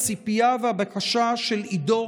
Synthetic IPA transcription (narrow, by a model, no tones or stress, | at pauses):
t͡sipjavehabakaʃaʃelido̞